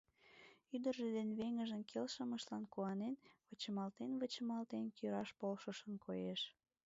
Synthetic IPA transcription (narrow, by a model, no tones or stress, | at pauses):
yd̪ərʒed̪enβeŋəʒənkʰelʃəməʃlɑnkuɑnenβət͡ɕəmɑlt̪enβət͡ɕəmɑlt̪enkøɾɑʃpolʃəʃənkʰojeʃ